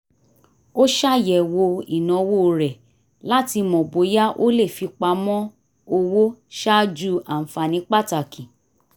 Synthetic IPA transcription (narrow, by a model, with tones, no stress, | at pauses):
o˦ʃa˦jɛ˨wo˧i˨nɔ̃˨wo˦˨ɾɛ˨ | la˦ti˧mɔ̃˨bo˨˦ja˦ʔo˦le˦˨fi˧k͡pa˧˦mɔ̃˦ | o˧wo˦ʃa˦d͡ʒu˦ʔa˨n̩˨fa˨nĩ˨˦k͡pa˦˨ta˨kʰĩ˨